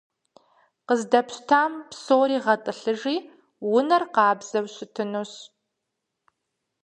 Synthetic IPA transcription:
qəzdɐpɕtʰaːmpsoːɾiːʁɐtʼɨɬɨʐiː | wʊnɐrqɑːbz̥ɐwɕɪtʰɨnuːɕ

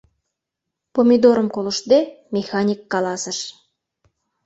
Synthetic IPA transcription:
pomʲid̪oɾəmkoləʃd̪e | mʲexɑnʲikːɑlɑsəʃ

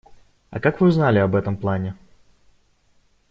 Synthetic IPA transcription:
ɐ̰kakvɨuznalʲɪɐbɛt̪əmplˠanʲɪ

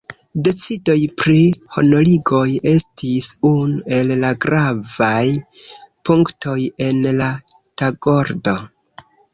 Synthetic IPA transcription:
de̞t͡sido̞jpɾiho̞̰no̞liɡo̞je̞stisunue̞llaɡɾavajpuŋktʰo̞je̞nla | taɡo̞ɾdo̞

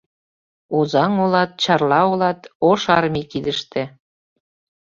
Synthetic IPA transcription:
ozɑŋolɑt̪̚t͡ɕɑrlɑolɑt̪oʃɑrmikid̪əʃt̪ĕ

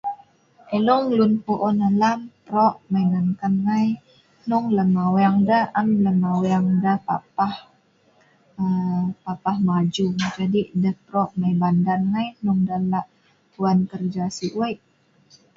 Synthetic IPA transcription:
ʔeluŋlunpuʔɔnəlamtɾɔʔmajnaŋkanŋaj | nuŋləmaweaŋdaʔamləmawaŋdəhpa̰pah | əpapahmad͡ʒuŋd͡ʒadidəht̪ɾɔʔmajbandanŋajnuŋdalaʔ | puankərd͡ʒasiʔwajʔ

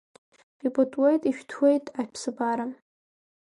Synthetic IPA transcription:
ibʼotʼwejtʼiʃᶣtʰwejtʼaʃpʰsɨbaɾa

